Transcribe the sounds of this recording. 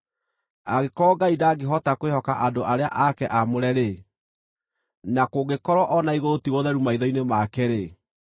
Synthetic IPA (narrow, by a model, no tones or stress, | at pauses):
aɣekɔːɡaidaːɡeɦɔtakwehɔkaʔadoʔaɾea̰ʔakɛʔamoɾɛɾe | nakoɡekɔɾwɔʔɔnaiɣoɾotiwɔðɛɾumaiðɔinemakɛɾe